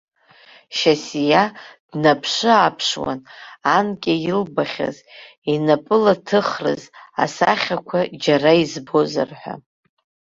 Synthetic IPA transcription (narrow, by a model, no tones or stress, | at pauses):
ʃasijad̥napʰʂɨapʰʂwa̰nankʲʼajɪlbaχʲa̰z | inapʼɨlatʰɨχrɨ̰za̰saχʲakʷʰad͡ʒaraizbo̞za̰rħʷᶣa̰